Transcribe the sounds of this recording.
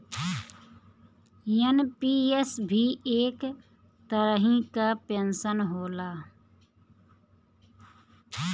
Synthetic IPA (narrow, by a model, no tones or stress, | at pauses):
jənpiːesbʱiːeːk | t̪əɾəɦĩkapensənɦoːlaː